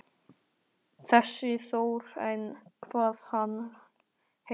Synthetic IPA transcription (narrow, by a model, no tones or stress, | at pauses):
θɛsːɪθowɾɛjnkʰvaːð̥hanː | he